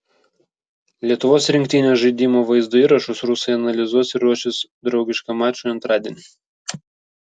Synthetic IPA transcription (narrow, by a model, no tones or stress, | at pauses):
lʲiɛt̪ʊʋoːsɾʲɪŋkt̪ʲɪnʲoːʒɐɪd̪ʲiːmoːʋɐɪzd̪oːiːɾɐʃʊsɾʊsɐɪɐnɐlʲɪzuɔsɪɾɾuɔʃʲɪsd̪ɾɒʊɡʲɪʃkɐmɑːt͡ʃʲoɐnt̪ɾɑːd̪ʲiɛnʲɪ